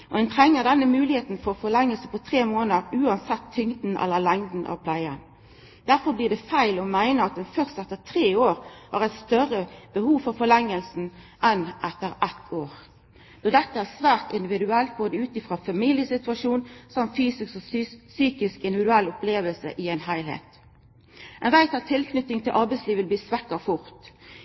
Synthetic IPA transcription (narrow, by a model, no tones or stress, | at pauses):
ʔɔ̰ɛnt̪ʰʁɛŋːəʁd̪ɛnːəmʉːlɪheːt̪n̩fɔfɔʁlɛŋːəlsəpʰɔt̪ʰʁeːmoːnəɾʉːɑnsɛt̪ʰːʏŋd̪n̩ɛ̰lːəʁlɛŋd̪n̩ʔɑ̰ʋpʰlæɪən | d̪̥æɾfɔɾblɪːʁd̪ɛfæɪlɔmæɪnəɑt̪̚d̪ɛnfœʁst̪ɛt̪ːəʁt̪ʰʁeːoːʁhɑ̰ːʁæɪt̪st̪œʁəb̥əhuːʋfɔʁfɔʁlɛŋːəlsn̩ | ʔɛnʔɛt̪ːəɾɛt̪ʰːoːʁ | d̪̥oːd̪ɛt̪ːəæːʁsʋæːʁt̪ɪnd̪ɪʋɪd̪ʉɛlt̪̚boːd̪əʉːt̪ɪfʁɑːfɑmiːljəsɪt̪ʉɑʂuːnsɑmfyːsɪsksɔsyːkɪskɪnd̪ɪʋɪd̪ʉɛlːʊpleːʋəlsə̰ʔɪæɪnɦæɪlhḛːt̪ | ɛnʋæɪt̪ɑt̪ʰːɪlknʏt̪ːɪŋt̪ʰɪlʔɑʁbæɪsliːʋəlb̪iːsʋækəfʊʁt̪